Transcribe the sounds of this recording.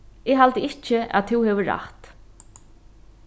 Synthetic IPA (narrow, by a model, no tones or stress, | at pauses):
ɪɦalt̪əɪht͡ʃɪa̰ðt̪ʰɪwhɛːvɪɹa̰ht̪